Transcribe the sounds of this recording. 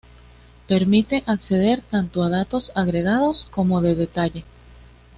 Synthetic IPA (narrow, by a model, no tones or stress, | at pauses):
pe̞ɾmit̪e̞ʔakse̞ð̞e̞ɾt̪ant̪o̞aðat̪o̞saɣɾe̞ɣaðo̞sko̞mo̞ðe̞ðe̞t̪aʝe̞